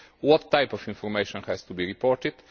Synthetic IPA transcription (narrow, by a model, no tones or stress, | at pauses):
wɔt̪ːajpɔfĩɱfɔɾmeʃɔ̃nhɛst̪ubiɹipɔɾt̪ɪd̪̥